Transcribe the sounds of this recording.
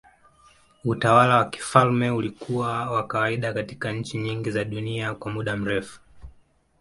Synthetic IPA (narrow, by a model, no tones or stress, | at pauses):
utawalawaki̥falmɛulikuwawakawaiɗakatikaɲ̩t͡ʃiɲiŋɡizaɗuniakwamuɗam̩ɾɛfu̥